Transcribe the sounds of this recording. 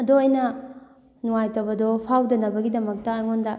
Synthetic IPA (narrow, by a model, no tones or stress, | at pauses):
ɐdoɐjnɐ | nuŋajtɐwbɐdɔpʰawdɐnɐbɐɡidɐmɐk̚tɐːjŋonda